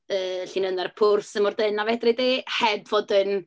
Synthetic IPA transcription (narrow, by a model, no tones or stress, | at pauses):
əːɬiːnənɛrpʰʊrsəmɔrdənavɛdrɪdehɛbvoːdən